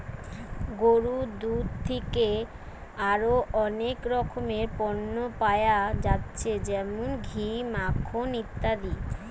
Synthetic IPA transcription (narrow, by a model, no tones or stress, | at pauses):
ɡoɾud̪ud̪̚t̪ʰeke | aɾoʔɔnekɾɔkʰomeɾpɔnːopajad͡ʑatːɕʰed͡ʑɛmonɡʱimakʰːonit̪ːad̪i